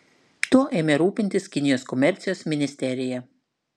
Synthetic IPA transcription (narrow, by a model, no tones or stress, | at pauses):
t̪uɔʔeːmʲeɾuːpʲɪnʲt̪ʲɪskʲɪnʲɪjoːskɔmʲɛɾʲt̪sʲɪjoːsmʲɪnʲɪsʲt̪ʲɛɾʲɪjɛ